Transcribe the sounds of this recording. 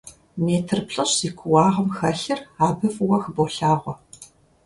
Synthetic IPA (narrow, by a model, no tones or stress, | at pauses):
meːtʰɨrpɬʼɐɕikʷʰʊwɑːʁɐmxɐɬɨraːbɨfwɐxboːɬaːʁʷɔ